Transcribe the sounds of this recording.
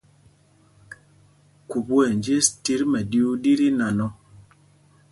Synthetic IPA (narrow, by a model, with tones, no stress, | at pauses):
ku˨bu˦ɛ˨nd͡ʒe˦sti˦ɾmɛ˨di˦u˦di˦ɾi˦na˨nɔ˦